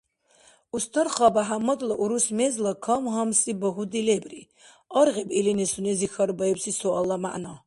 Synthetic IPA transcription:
ust̪ʰɔɾχabaɦamːɔd̪lɔʔuɾusmɛzlakʰɔmɦamsʼibɔɦud̪ilɛbri | ɔɾʁibilinɛsunɛzixaɾbɐɛbsisɔalːama̰ʔnɔ

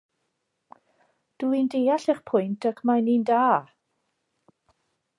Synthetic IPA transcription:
d̥uːindejaɬiχpʰʊjntʰakʰmajnindaː

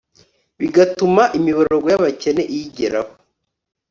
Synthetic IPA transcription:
βiɡatumaʔimiβaɾeɾoɡwojaβace̞ne̞ʔijiɟeɾaho

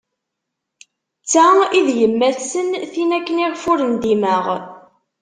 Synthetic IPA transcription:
t͡sːæiðjəmːæθsənθinækːəniʁfʊɾənd̪iməʁ

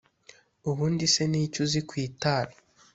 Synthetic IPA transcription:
uβuːndise̞niːcuzikwiːtaːɾa

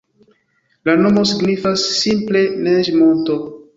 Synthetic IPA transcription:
lano̞mo̞siɡnifasːimple̞ned͡ʒmonto

